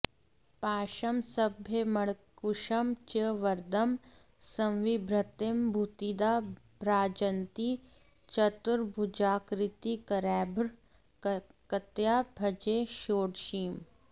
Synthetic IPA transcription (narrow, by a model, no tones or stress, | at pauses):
paːʃɐmsɐbʱjemɐɽkuʃɐmt͡ʃəʋɐɾd̪ɐm | sɐ̃wʋibɾɐt̪embʱut̪id̪aːbɾaːd͡ʒɐnt̪i | t͡ʃɐt̪uɾbʱud͡ʒaːkɾɪt̪ikɐɾɛːbɾ | kɐt̪jaːbʱɐd͡ʒeːʃoːɽʃiːm